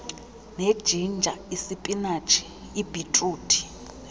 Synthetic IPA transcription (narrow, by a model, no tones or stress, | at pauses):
ned̥ʒ̥ʱind͡ʒʱaisipʼinat͡ʃʰʼi̥ | ib̥ʱitʼuːtʰʼi̥